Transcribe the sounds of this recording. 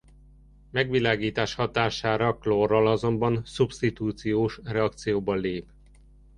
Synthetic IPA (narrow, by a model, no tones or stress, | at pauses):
mɛɡʋilaːɡiːt̪aːʃhɒt̪aːʃaːɾɒklorɒlɒzo̞mbɒnsubst̪it̪uːt̪sijoːʃrɛɒk̚t̪sijoːbɒleːp